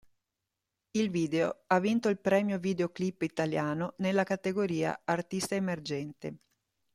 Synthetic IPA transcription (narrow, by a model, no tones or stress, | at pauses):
ilviːd̪eoavːint̪oilpɾɛːmjovid̪eoklipːit̪aljaːnonelːakat̪eɡoɾiːa̰art̪ist̪aemerd͡ʒɛnt̪ḛ